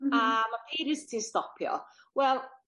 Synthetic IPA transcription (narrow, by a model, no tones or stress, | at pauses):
amapʰeːɾɪstʰinstɔpʰjɔ̰ | wɛlˠ